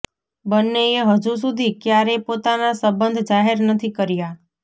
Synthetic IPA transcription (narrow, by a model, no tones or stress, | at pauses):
bənːeeɦəd͡ʒus̬ud̪ʱikjaɾepot̪anasəbənd̪ʱd͡ʒaɦeɾnət̪ʰikəɾja